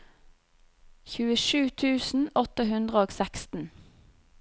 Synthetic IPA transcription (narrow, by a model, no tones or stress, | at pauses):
çʉːəʃʉːt̪ʰʉːsn̩ɔt̪əɦʉnd̪ʁəoːɡsækst̪n̩